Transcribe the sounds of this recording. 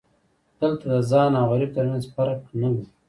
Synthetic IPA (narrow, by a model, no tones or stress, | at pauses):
d̪̥əlt̪ad̪əzɑnɑɣaɾɪb̚t̪əɾmjanzpaɾaknawu